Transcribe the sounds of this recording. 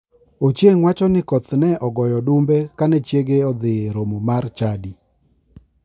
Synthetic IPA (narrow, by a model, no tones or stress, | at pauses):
ot͡ʃjeŋwat͡ʃɔnɪkɔt̪nɛʔɔɡɔjɔdumbekanɛt͡ʃjeɡeɔd̪ɪɾomomart͡ʃadi